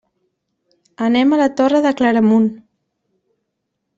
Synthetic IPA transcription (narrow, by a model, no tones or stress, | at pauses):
ənɛmələt̪orəðəkləɾəmun